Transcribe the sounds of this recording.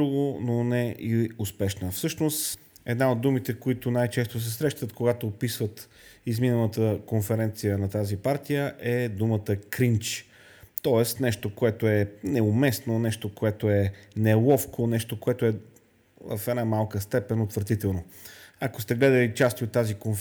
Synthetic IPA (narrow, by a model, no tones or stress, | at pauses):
uɡononɛiʊspɛʃnəfsɤʃnost̪ | ɛd̪naod̪ːumit̪ɛkoit̪ʊnajt͡ʃɛst̪os̬ɛsɾɛʃt̪ət̪koɡat̪oːpisvət̪ | izminəlˠət̪əkonfɛɾɛnt̪sijənɐt̪azipaɾt̪ijəʔɛd̪umət̪əkɾint͡ʃ | t̪ɔɛst̪nɛʃt̪okoɛt̪oɛnɛʊmɛsnonɛʃt̪okoɛt̪oɛnɛlˠɔfkʰonɛʃt̪okoɛt̪ʊɛ | vɐfɛnamalˠkəst̪ɛpɛnot̪vəɾt̪it̪ɛlˠnoɐkost̪ɛɡlɛd̪əlit͡ʃast̪iot̪ːazikonf